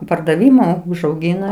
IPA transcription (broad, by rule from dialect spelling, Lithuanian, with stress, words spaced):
pɐrdɐˈʋʲɪmʊ ʊʒɐʊˈɡʲɪnɐ